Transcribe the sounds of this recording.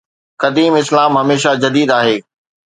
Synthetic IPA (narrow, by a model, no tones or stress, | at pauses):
kɐd̪iːmɪslaːmɦɐmeːʃad͡ʑɐd̪iːd̪aːɦeː